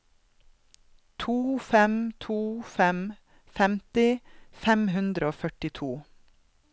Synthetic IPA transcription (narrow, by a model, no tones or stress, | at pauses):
t̪ʰuːfɛmt̪ʰuːfɛm | fɛmt̪ɪfɛmhʉnd̪ɾəoːfœʈɪt̪ʰuː